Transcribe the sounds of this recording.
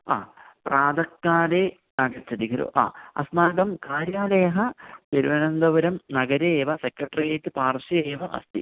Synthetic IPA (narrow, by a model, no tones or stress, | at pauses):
a̰ːpraːd̪ɐkːaːɾe | nɐɡɐɾt͡ɕːɐd̪iɡɐɾo̰ːʔa̰ːɐ̰snaːɡɐmkaːɾjaːlɐjɐɦɐp̪eɾuʋɐnɐnd̪ɐʋɐɾɐmnɐɡɐɾeːʋɐsekɾɐʈrijɐtːɨpaːrʂɐeːʋɐʔɐ̰st̪ḭ